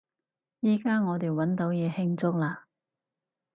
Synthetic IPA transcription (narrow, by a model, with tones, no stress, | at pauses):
jiː˥kaː˥ŋɔː˨˧t̪e˨jwɐ˨˥nt̪o˨˥wjɛː˨˧hɪ˧ŋt͡sʊ˥k̚laː˧